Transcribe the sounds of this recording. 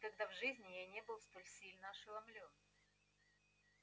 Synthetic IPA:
kɐɡd̪avʐɨzʲnʲɪjajnʲebɨlˠst̪o̞lʲsʲilʲnəɐʂɨlˠɐmlʲo̞n

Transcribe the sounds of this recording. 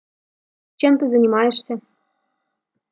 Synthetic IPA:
t͡ɕɤ̆mt̪ɤ̆zɤ̆nʲimɑĕʃt̪ʲɘ̆

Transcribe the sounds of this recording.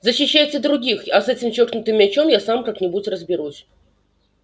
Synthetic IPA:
zəɕːɪɕːæjt͡sʲɪd̪ɾʊɡʲixɐsɛt͡sʲɪmt͡ɕoknʊt̪ɨmʲat͡ɕomjasamkaknʲɪbutʲrəzbʲɪɾusʲ

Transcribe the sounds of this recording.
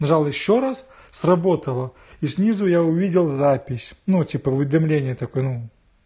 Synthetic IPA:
nɐʐalˠjɪɕːoɾas | srɐbo̞t̪əlˠə | isʲnʲizujaʊvʲidʲɪlˠzapʲɪsʲnutʲipəʊvʲɪd̪ɐmlʲenʲɪjət̪ɐkojənu

